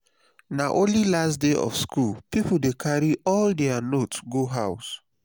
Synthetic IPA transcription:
naʔõnlilastdeʔɔ̰fskʰulpipoldekʰaɹiʔɔldɛanotsɡoɦaʊs

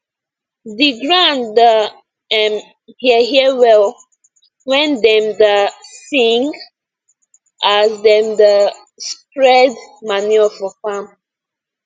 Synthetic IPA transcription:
diɡɹãndə | ɛm | hiəɦiəwɛl | wɛ̃ndɛ̃mdəsĩŋɡ | azdɛmdə | spɹɛdmaniɔfɔfam

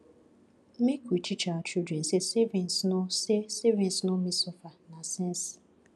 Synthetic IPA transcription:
mikitʰit͡ʃat͡ʃidɾen̩sesevinsnosesevĩnsnomisɔfanasɛ̃ns

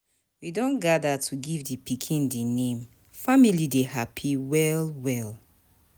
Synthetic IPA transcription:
widɔ̃nɡadatʰuɡivdipikʰĩndenẽm | familidehapʰiwɛlwɛl

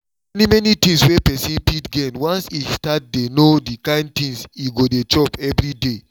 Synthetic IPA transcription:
ɛnimɛnitĩŋswepɛsĩnpitɡɛ̃nwãnsistat̚denodikãɪ̃nd̚tĩŋsiɡodet͡ʃɔpɛvɾide

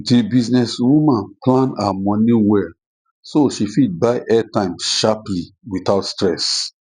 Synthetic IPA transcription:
dibiznɛswumãnplãnamɔ̃nĩwɛl | soʃifit̚baɪʔɛtãɪ̃mʃapli | witaʊtstɹɛs

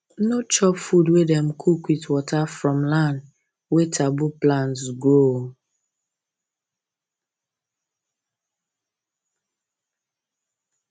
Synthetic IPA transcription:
not͡ʃɔpfudwedɛ̃mkʰukwitwɔtafɹɔ̃mlãnd | wetʰabuplãntsɡɹo

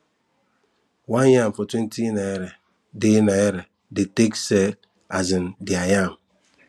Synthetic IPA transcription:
wanjam̩fɔtwentinaeɾe | dɪnaeɾe | dɪteksel | azɪn̩dɪajam̩

